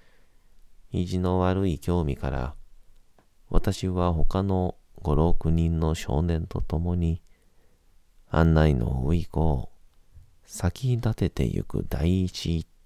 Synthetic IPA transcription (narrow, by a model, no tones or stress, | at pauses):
iʑino̞βaɾɯ̟ikʲo̞ːmʲikaɾa̰ | βa̰t̪aɕiβaɦo̞kano̞ | ɡo̞ɾo̞kɯ̟ɲ̟ĩnːo̞ɕo̞̰ːnẽ̞nt̪o̞t̪o̞mo̞ɲ̟i | ã̰nːaino̞̰ɯ̟ikoː | sakʲiɲt̪at̪e̞t̪e̞̰jɯ̰kɯ̟̰d̪aiːt͡ɕi